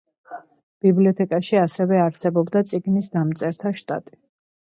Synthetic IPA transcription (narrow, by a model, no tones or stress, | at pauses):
b̥ibliɔt̪ʰɛkʼaʃiasɛvɛaɾsɛbɔbd̪at̪sʼiɡnisd̪amt̪sʼɛɾt̪ʰaʃt̪ʼa̰t̪ʼi̥